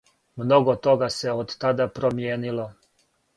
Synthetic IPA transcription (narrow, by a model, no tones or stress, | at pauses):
mno̞ɡot̪o̞ɡaseod̪t̪ad̪apɾomjeːnilo